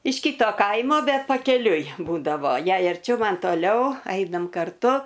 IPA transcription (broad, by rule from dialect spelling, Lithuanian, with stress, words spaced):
ɪʃ ˈkʲiːtoː ˈkɐɪmoː ˈbʲɛt pɐkʲɛˈlʲʊɪ ˈbuːdɐʋoː ˈjɛɪ ɐrʲˈt͡ʃʲɛʊ ˈmɐn toːˈlʲɛʊ ˈɐɪnɐm kɐrˈtʊ